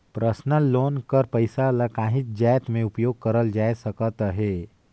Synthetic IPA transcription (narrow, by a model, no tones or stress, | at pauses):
pɾəsnəloːnkəɾpəɪsalakãːɦɪt̪̚d͡ʒaːjt̪mẽʊpjoːɡ̚kəɾəld͡ʒaːjsəkət̪ɦeː